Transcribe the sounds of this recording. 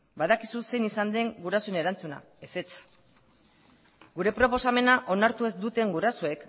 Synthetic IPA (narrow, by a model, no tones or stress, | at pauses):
baðakisuse̞jnisand̪e̞ŋɡuɾaso̞ene̞ɾant͡suna̰ | e̞se̞t͡s | ɡuɾe̞pɾo̞po̞same̞naʔo̞naɾt̪ue̞zd̪ut̪e̞ŋɡuɾasoe̞k